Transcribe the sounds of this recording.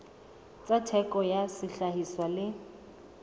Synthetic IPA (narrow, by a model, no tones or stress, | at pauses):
t͡sʼatʰɛkʼɔjasɪɬaɦiswalɪ